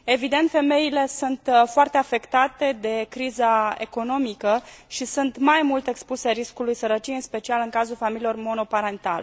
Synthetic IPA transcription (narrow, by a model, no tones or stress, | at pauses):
e̞vid̪e̞nt̪fe̞me̞ile̞sunt̪foart̪e̞afe̞kt̪at̪e̞d̪e̞kɾizae̞ko̞no̞mikəʃisunt̪majmult̪e̞kspuse̞ɾiskulujsəɾət͡ʃijeinspe̞t͡ʃialɨŋkazulfamililo̞rmo̞no̞paɾe̞nt̪a̰le